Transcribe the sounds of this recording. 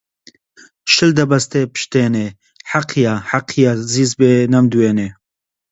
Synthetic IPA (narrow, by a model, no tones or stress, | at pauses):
ʃɨld̪ɐbɐst̪epɨ̥ʃt̪eːne | ħaqʰijaːħaqʰijaːziːzbeːnɐmd̪uweːneː